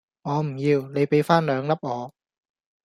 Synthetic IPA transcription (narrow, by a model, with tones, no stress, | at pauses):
ŋɔː˨˧m̩˨˩jiː˧wne˨˧jpe˨˥jfaː˥nlœː˨˧ŋlɐ˥p̚ʔɔː˨˧